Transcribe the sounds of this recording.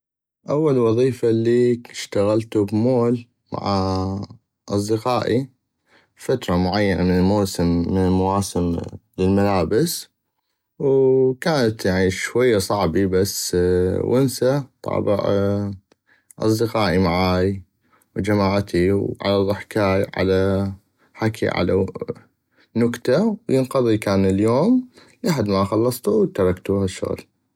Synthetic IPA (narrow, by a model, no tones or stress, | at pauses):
ʔawːalwɑðˤiːfalːiːʃt̪aɣalt̪ubmoːl | ma̰ʕa | ʔɑsˤd̪ɪqɑːʔi | fat̪ɾˤɑmʊʕajːanʔamɪnɪlmoːsɪmːɪnɪlmawaːsɪmlɪlmalaːbɪs | wkaːnat̪jaʕniʃwajːasˤɑʕbibasːwʔɪnsat̪ˤɑ̰ːbɪ̰ʔ | ʔɑ̰sˤd̪əqaːʔimaʕaːj | wd͡ʒamaːʕt̪ʰiwʕa̰laðˤʊħkaːjʕa̰la | ħakʰḭʕa̰la̰ | nʊkt̪awjɪnqɑðˤikaːnɪljoːmlʔaħad̪maxɑlːɑsˤt̪uwt̪ːɑɾˤɑkt̪uːhaʃːʊ̰ɣl